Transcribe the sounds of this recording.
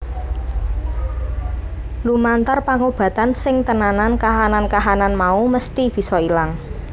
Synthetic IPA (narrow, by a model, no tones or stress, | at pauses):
lumant̪arpaŋob̥ä̤t̪ansɪŋt̪ənanankaɦanankaɦananmauməst̪ib̥i̤sɔilaŋ